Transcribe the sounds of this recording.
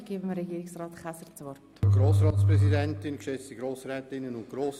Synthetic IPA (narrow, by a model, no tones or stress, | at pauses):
ɡ̥iːbəməɾɛɡiːɾɪksrɑːtχæsəɾt͡sʋɔrtɡ̥ɾoːs̬ɾɑːtspɾɛz̬idɛntɪnkʃɛt͡stiɡɾoːsɾɛːtɪnːənʊnt̚ɡ̥ɾoːs